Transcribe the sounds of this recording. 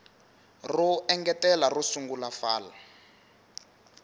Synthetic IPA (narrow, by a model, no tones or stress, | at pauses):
ruɛŋɡɛtɛlarusuŋɡulafaːla̰